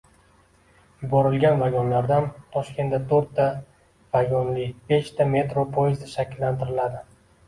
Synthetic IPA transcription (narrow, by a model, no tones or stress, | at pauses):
jʊbɒɾɪlɡʲanvaɡʲɒnlaɾd̪ant̪ʰɒʃkʲʰe̞nt̪ːat̪ʰɵɾt̪ːa | vaɡʲɒnlɪbe̞ʃt̪ʰame̞t̪ɾopʰojɪzd̪ɪʃakʲɪlːant̪ʰɪɾɪlad̪ɪ